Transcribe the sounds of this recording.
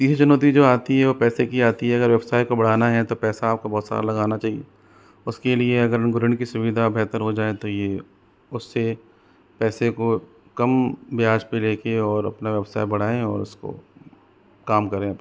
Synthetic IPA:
t̪iːst͡ʃʊnoːt̪̬id͡ʒoːaːt̪iɦɛʋopɛːsekiaːt̪iɦɛɐɡəɾʋɛbsaːikobɐɽ̤aːnaɦɛt̪opɛːsaːp̚kobɔːt̪sa̰ːɾalɐɡaːnat͡ʃaːɦiḛ | ʊskelieɐɡəɾɡʊɾə̃ɳɖkisʊʋɪd̪ʱabɛɦt̪əɾɦod͡ʒaːet̪oje | ʊsːe | pɛːseko | kɐmbɪjaːd͡ʒpeleːkeɔːɾɐ̰pnaʋɛbsa̰ːibɐɽ̤aːẽɔːɾʊsko̰ | kaːmkɐɾẽɐpn

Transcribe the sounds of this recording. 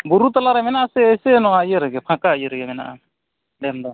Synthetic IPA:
buɾut̪alaɾamɛnaːsɛːsɛnɔkajɛɾɛɡɛpʰakajɛɾɛɡɛmɛna̰a̰ | lɛmda

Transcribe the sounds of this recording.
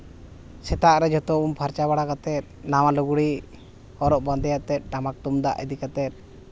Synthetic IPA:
sɛt̪aɾɛd͡ʒɔt̪ɔumpʰaɾt͡ʃabaɽakat̪ɛt̪̚nawaluɡuɽi | ɔɾɔʔband̪ɛjaʔt̪ɛt̪̚ʈamak̚t̪umd̪a̰ʔɛ̰d̪ikat̪ɛt̪̚

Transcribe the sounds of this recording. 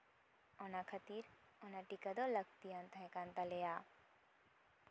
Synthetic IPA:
ɔnakʰɐt̪iːɾ | ɔnaʈikad̪olɐɡ̚t̪iãnt̪aɦekant̪aleja

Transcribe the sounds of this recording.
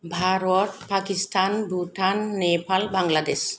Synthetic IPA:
bʱaɾot̚pakisʈanbʱuʈʰanːepalbaŋlad̪eʃ

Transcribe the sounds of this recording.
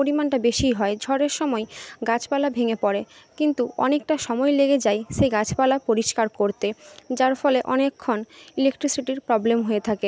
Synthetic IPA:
poɾimanʈabeʃijɦɔed͡ʑʱɔɾeɾʃɔmɔeɡat͡ɕʰpalabʱeŋepɔɾekint̪uɔ̰nek̚ʈaʃɔmɔjleɡed͡ʑajʃejɡat͡ɕʰpalapoɾiʃkaɾkoɾt̪ed͡ʑaɾfɔleʔɔnekʰːonilek̚ʈɾisiʈiɾpɾɔblemɦojet̪ʰake

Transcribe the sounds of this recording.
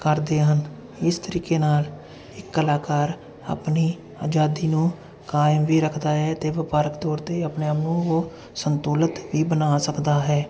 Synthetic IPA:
kəɾd̪eːɦən | ɪst̪əɾiːkeːnaːl | ɪkːəlaːkaːɾ | a̰ːpniː | a̰ːd͡ʒaːd̪iːnũː | kaːɪmʋiːɾəkʰd̪aːɦɛːt̪eːʋɪpaːɾəkt̪ɔːɾt̪eːəpneːaːmnũːoː | sənt̪uːlət̪ʋiːbənaːsəkd̪aːɦɛː

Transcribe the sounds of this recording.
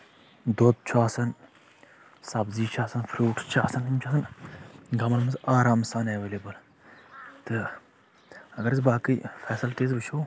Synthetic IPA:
d̪ot̪̚t͡ʃʰuaːsɐn | sɐbziːt͡ʃʰaːsɐnfʰɾuːʈt͡ʃʰa̰ːsɐnt̪imʲt͡ʃʰaːsɐnɡɐmɐlmɐsaːɾaːmsaːneːʋeːleːbɐl | t̪ɨ | ɐɡɐɾsbaːkɨjfɛːsɐlʈ̪eːz̬bɨt͡ʃʰoː

